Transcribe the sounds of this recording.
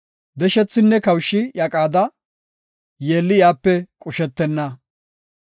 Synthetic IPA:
d̪ɛʃɛt͡sːɪnːɛkɐwʃːɪjakʼaːd̪ɐ | jeːlːɪjaːpːɛkʼʊʃɛt̪ːɛnːɐ

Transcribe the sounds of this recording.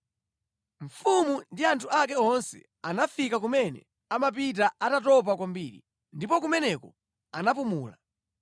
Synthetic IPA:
ɱ̩fumundiantʰuʔak̬ɛɔnsɛ̰ | anafikak̬umɛnɛ̰ | amap̬it̬aatatɔp̬akwambiːɾḭ | ndipɔk̬umɛnɛkɔ | anap̬umuːla̰

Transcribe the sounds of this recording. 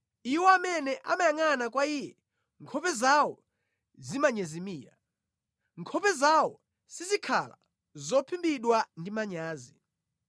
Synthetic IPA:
iwɔamɛnɛʔa̰majaŋanak̬waijɛ | ŋkʰɔpɛzawɔ | zimaɲɛzimiːɾa̰ | ŋkʰɔpɛzawɔ | sizikʰala̰ | zɔpʰimbiɗwandimaɲaːzi

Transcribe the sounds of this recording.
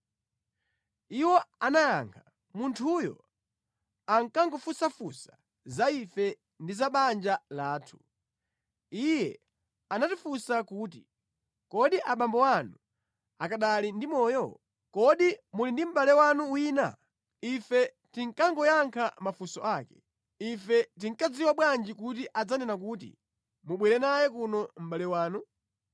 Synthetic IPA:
iwɔanajaŋkʰa | muntʰujɔ̰ | aŋkaŋɡɔfusafusa | zaifɛ | ndizaɓand͡ʒalaːtʰu̥ | ijɛ | anatifusakuːt̬i | kɔɗiʔaɓambɔwanu | akaɗalindimɔːjɔ̰ | kɔɗimulindim̩ɓalɛwanuwiːna̰ | ifɛ | tiŋkaŋɡɔjaŋkʰamafusɔʔaːkɛ̥ | ifɛt̬iŋ̩kad͡ziwaɓwand͡ʒikut̬iʔad͡zanɛnak̬uːt̬ḭ | muɓwɛɾɛnajɛkunɔm̩ɓalɛwaːnu

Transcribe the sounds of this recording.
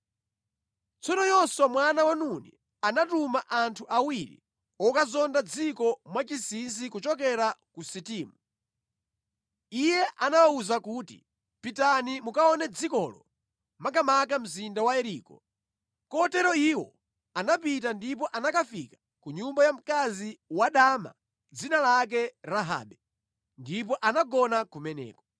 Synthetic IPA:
t͡sʰɔnɔjɔsɔmwanawanunḭ | anatumaʔantʰuʔawiɾḭ | ɔkazɔndad͡zikɔmwat͡ʃisinsikut͡ʃɔk̬ɛɾakusitiːmu | ijɛʔanawauzakuːtḭ | pitanimukaɔnɛd͡zikɔlɔ | makamakam̩zindawaɛɾiːkɔ̰ | kɔtɛɾɔiwɔ̰ | anapit̬andip̬ɔʔanakafikḁ | kuɲumbajam̩kaziwaɗama̰ | d͡zinalak̬ɛɾaɦa̰ːɓɛ | ndip̬ɔʔanaɡɔnakumɛnɛ̰ːkɔ̥

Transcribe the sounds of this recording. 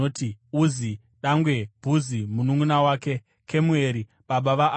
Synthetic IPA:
otiuzi | ɗaŋɡwe̞b̥ʱuzimunuŋunawaːke̞ | kʰe̞mue̞ɾi | ɓaɓaʋaʔ

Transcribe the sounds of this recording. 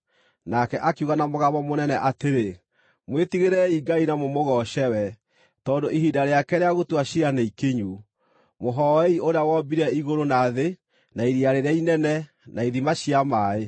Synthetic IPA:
nakɛʔakeuɣanamoɣaβɔmonɛnɛʔateɾe | mwetiɣeɾɛiɡainamomoɣɔʃɛwɛ | tɔːndoiɦidaɾeakɛɾeaɣotwaɕiɾanaikeɲu | moɦɔɛioɾeawɔbiɾɛiɣoɾonaðe | naiɾiaɾeɾeainɛnɛ | naiðimaʃiamae

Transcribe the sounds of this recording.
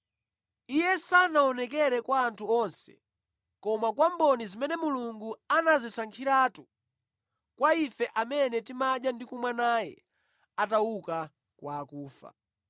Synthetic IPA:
ijɛsanaɔnɛkɛɾɛkwaːntʰuɔnsɛ̥̰ | kɔmakwambɔnizimɛnɛmuluŋɡuanazisaŋkʰiɾatu | kwaifɛʔamɛnɛtimaɗjandikumwanajɛ̰ | atauka | kwaːkuːfa̰

